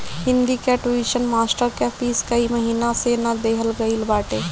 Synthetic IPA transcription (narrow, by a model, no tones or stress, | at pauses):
ɦɪ̃nd̪ikeʈuiʃənmaːsʈəɾkepʰiskəiməɦiːnasenad̪eːɦəlɡəɪlbaːʈe